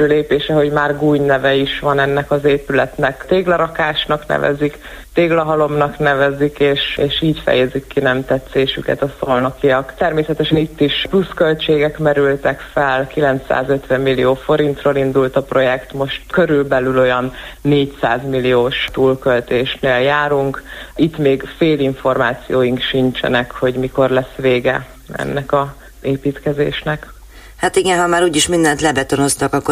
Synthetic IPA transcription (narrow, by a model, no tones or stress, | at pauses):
øleːpeːʃɛɦo̞ɟmaːrɡuːɲnɛvɛiʃʋɒnɛnːɛkɒzeːpylɛt̪nɛkt̪eːɡlɛɾɒkaːʃnɒknɛ̰vɛ̰zik | t̪eːɡlɒɦɒlo̞mnɒknɛvɛzikeːʃeːʃiːcfɛ̰jɛzikːinɛmt̪ɛt̪seːʃykɛ̰t̪ɒsolnokijɒkt̪ɛrmeːsɛt̪ɛʃɛnit̪ːiʃpluskølt͡ʃeːɡɛkmɛɾylt̪ɛkfɛlkilɛnt̪sa̰ːzøt̪ʋɛmːilːijoːfo̞ɾint̪roːlind̪ult̪ɒpro̞jɛkt̪mo̞ʃt̪køɾylbɛlylo̞jɒnːeːcsaːzmilijoːʃt̪uːlkølt̪eːʃneːljaːɾuŋkit̪ːmeːɡfeːliɱfo̞rmaːt̪sijoːjiŋkʃint͡ʃɛ̰nɛkho̞ɟmiko̞rlɛsʋeːɡɛ̰ | ɛ̰nːɛkɒ | zeːpiːt̪kɛzḛːʃnɛk | hat̪iɡɛnɦɒmaːɾuːɟiʃmind̪ɛnt̪lɛbɛt̪ono̞st̪ɒkɒkːo